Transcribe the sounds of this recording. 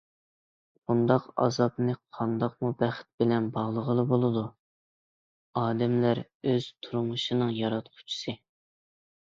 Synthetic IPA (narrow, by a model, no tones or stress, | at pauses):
b̥und̪ɑqɑ̰zɑpnɨqʰɑnd̪ɑq̚mubɛχɪ̥t̪̚bɪlɛnbɑʁlˠəʁəlˠɨbolˠɨd̪u | ɑːd̪ɛmlæɾ | øz̥t̪ʰuɾumuʃɨnɨŋjɑɾɑt̪̚qʰʊ̥t͡ʃʰi̥sɨ